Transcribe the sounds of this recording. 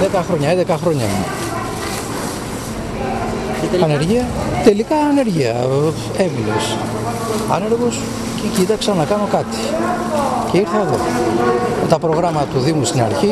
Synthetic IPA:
ðekɐxɾo̞ɲɐend̪ekɐxɾo̞ɲɐ̰mṵ | ɐneɾʝiɐt̪e̞likɐːne̞ɾʝiɐ̰ | eminḛs | ɐ̰ne̞ɾɣos | cecit̪ɐksɐnɐkɐno̞kɐt̪i̥ | ce̞iɾθɐeðo̞̰ | met̪ɐpɾo̞ɣɾɐmɐt̪ɐt̪uðimust̪inɐ̰ɾçi

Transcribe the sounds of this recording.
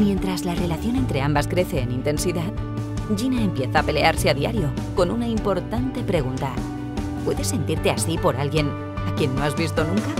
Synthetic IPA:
mje̞nt̪ɾazlare̞laθjo̞ne̞nt̪ɾe̞ambaskɾe̞θe̞ːnint̪e̞nsiðað | ʎinaempje̞θaːpe̞le̞aɾse̞aðia̰ɾjo̞ko̞nunaimpo̞ɾt̪ant̪e̞pɾe̞ɣ̞unt̪a | pwe̞ðe̞sːe̞nt̪iɾt̪e̞asipo̞ɾalɣje̞n | akje̞nːo̞azβist̪o̞nũŋka

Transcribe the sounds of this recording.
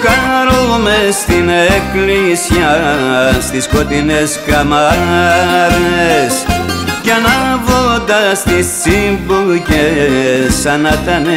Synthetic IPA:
kaɾomest̪ineklisjast̪iskot̪ineskama | ɾeskanavod̪ast̪it͡sibuke | sanat̪ane

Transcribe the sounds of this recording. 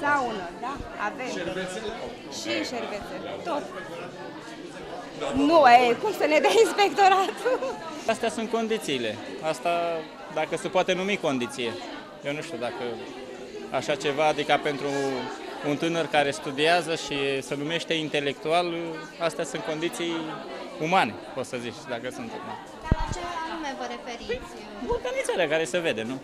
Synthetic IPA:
d̪aunəd̪aavemeve | ʃiʃerveset̪ot̪ | nuekumsəned̪eainspe̞kt̪o̞ɾat̪uast̪easunt̪̚ko̞nd̪it̪siːle̞ast̪a | d̪akəsepoat̪e̞numiko̞nd̪it̪sije̞ | jewnuʃt̪ud̪akə | aʃat͡ʃe̞vaːd̪ikape̞nt̪ɾuː | nt̪ɨnərkaɾe̞st̪ud̪iazəʃisenume̞ʃt̪e̞int̪e̞le̞k̚t̪ual | ast̪easunt̪ko̞nd̪it̪sijumane̞pot̪səzit͡ʃʲd̪akəsunt̪ɨnə̰r | at͡ʃenumevoɾefeɾi | but̪ənisaɾeakaɾe̞seve̞d̪e̞nu

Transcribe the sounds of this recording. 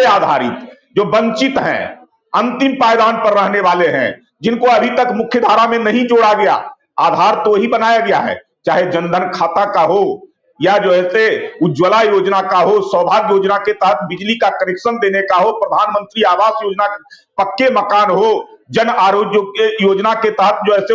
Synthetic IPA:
eaːd̪ʱa̰ːɾɪ̰t̪ | d͡ʒoːbə̃nt͡ʃɪt̪ɦɛ̰̃ | ɐ̃nt̪ɪmpaːjd̪aːnpɐɾːəɦneʋaːleɦɛ̰̃ | d͡ʒɪnkoɐbʱit̪ɐkmʊkʰjəd̪ʱaːɾamẽnɐɦĩd͡ʒoːɽaɡɐja̰ː | aːd̪ʱaːɾt̪oɦibənaːjaɡɐjaɦɛ̰ː | t͡ʃaːɦed͡ʒə̃nd̪ʱənkʰaːt̪akaɦo | jad͡ʒoːɛːseʊd͡ʒwəlajoːd͡ʒnakaɦosə̃ːbʱaːd̪joːd͡ʒnaket̪ɐɦət̪̚ʰbɪd͡ʒlikakəɾɪkʃənd̪eːnekaɦopɾəd̪ʱaːnmə̃nt̪ɾiaːʋaːsjoːd͡ʒnapɐkːeməkaːnɦod͡ʒənaːɾoːd͡ʒjəjoːd͡ʒnaket̪ɐɦət̪̚ʰd͡ʒoɛːse

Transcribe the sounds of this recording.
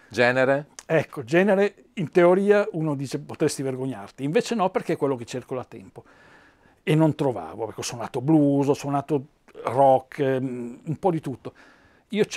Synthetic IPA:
d͡ʒɛːneɾeɛkːod͡ʒɛːneɾe | int̪eoɾiːauːnod̪iːt͡ʃepot̪ɾest̪iverɡoɲːart̪iːɱveːt͡ʃenɔperk̟ekːwelːoket͡ʃːerkolat̪ːɛ̰mpo | enːont̪ɾova̰ːvoɛkːosonaːt̪obluzosonaːt̪o | rɔkʰː | umpɔd̪it̪ut̪ːo | iːo

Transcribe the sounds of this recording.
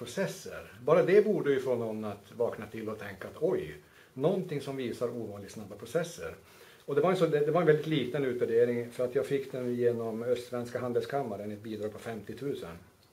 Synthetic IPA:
pɾʊsɛsːə̰ɾbɑːɾad̪ɛbuːɖəjʏfɔːnːɔnːat̪vɑːknat̪ʰɪlːɔt̪ʰɛŋkaːt̪ɔj | nɔnt̪ʰɪŋsɔmviːsaɾuːvɑːnlɪɡ̪snabːapʰɾʊsɛsːə̰ɾ | ɔd̪ɛvaɾɛnsɔd̪ɛd̪ɛvaɾɛnvɛld̪ɪt̪liːt̪ənʉ̟ːt̪væɖeːɾɪŋfœɾat̪jɑːɡfɪkːd̪ɛnjeːnɔmœst̪vɛnskaɦand̪əlskʰamːaɾənɛt̪̚biːd̪ɾɑːɡ̚pʰɔfɛmt̪ɪt̪ʰʉ̟ːsə̰n

